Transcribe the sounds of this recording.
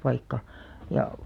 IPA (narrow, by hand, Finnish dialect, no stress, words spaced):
pɑikːɑ jɑ